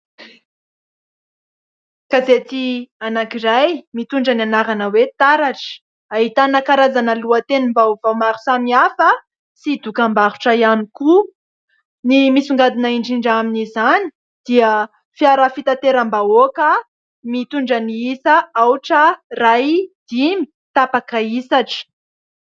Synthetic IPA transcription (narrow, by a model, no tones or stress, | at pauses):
kazet̪ianakirajmit̪uɳɖ͡ʐənianaɾanəwet̪aɾaʈ͡ʂə̥ | aɦit̪anakaɾazanəluat̪enimbauvawmaɾu̥samiafə | sid̪ukambaɾu̥ʈ͡ʂəjaniku | nimisuŋɡad̪inaiɳɖ͡ʐiɳɖ͡ʐaminizani̥ | d̪̥iə | fijaɾəfit̪at̪eɾambaokə | mit̪uɳɖ͡ʐəniisəawʈ͡ʂərajd̪̥imi̥ | t̪apakaisaʈ͡ʂə̥